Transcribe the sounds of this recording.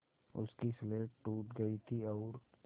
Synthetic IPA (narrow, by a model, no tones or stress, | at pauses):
ʊ̰skisleːʈʈuːʈɡɐit̪ʰiɔːɾ